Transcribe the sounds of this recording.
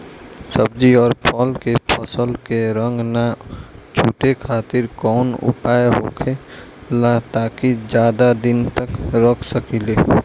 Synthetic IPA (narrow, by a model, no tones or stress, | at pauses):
səb̚d͡ʒiɔːɾpʰɔlkepʰəsəlkeɾə̃ŋɡnat͡ʃʰuːʈekʰaːt̪ɪɾkɔːnʊ̰paːjeɦokʰe | lat̪aːkid͡ʒjaːd̪ad̪ɪnt̪əkɾəkʰsəkileː